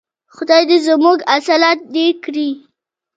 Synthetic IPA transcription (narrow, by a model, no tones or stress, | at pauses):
xʊd̪ajd̪ezmuɡasalat̪̚d̪ekɽi